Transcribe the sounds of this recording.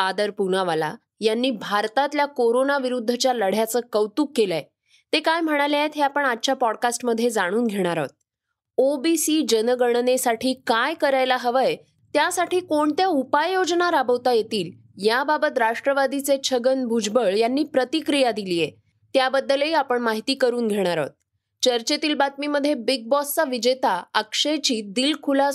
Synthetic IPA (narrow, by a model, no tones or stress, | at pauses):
ad̪əɾpunaʋala̰ | janːiːbʱaɾt̪at̪ljakoɾonaʋiɾud̪ʱːət͡ɕjaləɽ̤jat͡səːkəʋt̪uːkːelaj | t̪ekajm̤əɽ̃aljaet̪ɦeapəɳatːt͡ɕapɔɽkasʈməd̪ʱjed͡zaɽ̃uːnɡʱeɽ̃aɾa̰ʋt̪̚ | obisiːd͡ʑənəɡəɳnesaʈʰiːkajkəɾajlaɦəʋəj | t̪jasaʈʰiːkoɳt̪jaupajjod͡znaɾabəʋt̪ajet̪iːl | jababət̪ɾaʂʈɾəʋad̪it͡set͡ɕʰəɡənbʱud͡ʑbəɭjanːiːpɾət̪ikɾijad̪ilije | t̪jabəd̪ːəleiapəɳmaɦit̪iːkəɾuːnɡʱeɽ̃aɾɔ̰t̪̚ | t͡ɕəɾt͡ɕet̪iːlbat̪̚miməd̪ʱːjebiɡ̚bɔst͡saʋid͡ʑet̪aəkʂet͡ɕiːd̪iːlkʰula